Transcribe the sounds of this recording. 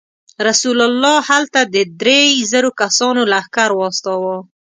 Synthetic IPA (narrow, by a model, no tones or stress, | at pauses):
ɾasulalːɑhalt̪ad̪əd̪ɾezəɾokasɑnolaːxkaɾwɑst̪ɑwa